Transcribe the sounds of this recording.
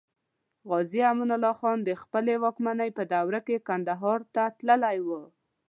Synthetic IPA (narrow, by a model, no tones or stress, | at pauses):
ɣɑziamunalɑxɑnd̪əxpəlewɑkmanəjpəd̪awɾakekand̪aɦɑɾt̪at̪ləlajwə